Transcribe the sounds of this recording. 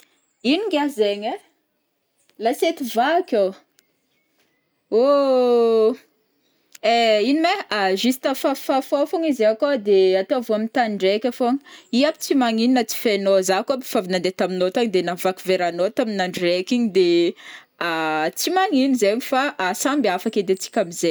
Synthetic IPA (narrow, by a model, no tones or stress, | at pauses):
iniɡʲazeɲe | laset̪ivakow | o | einimeaʒist̪afafafofoŋizaakod̪eat̪ovuamint̪anɳɖ͡ʐekʲafoŋəiapi̥t͡simaŋininat͡si̥fenozakoapi̥favinand̪et̪aminot̪aɲd̪enavakiveɾanot̪aminaɳɖ͡ʐekiɲid̪e | at͡simaŋinizeɲifaʔasambafaked̪et͡si̥kʲamize